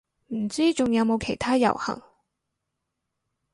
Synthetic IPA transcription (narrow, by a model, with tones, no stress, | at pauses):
m̩˨˩t͡siː˥t͡ʃʊ˨ŋjɐ˨˧wmo˨˧wkʰe˨˩jt̪ʰaː˥jɐ̰˨˩whɐ̰˨˩ŋ